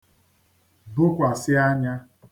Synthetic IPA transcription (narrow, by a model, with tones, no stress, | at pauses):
bʊ˦kʷa˨sɪ˦a˦ɲa˦